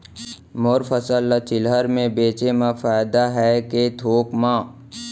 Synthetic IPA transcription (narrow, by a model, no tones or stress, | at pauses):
mʊɾfəsəlːat͡ʃɪlɦəɾmẽbeːt͡ʃemãfaːɪd̪aɦɛket̪ʰoːkmã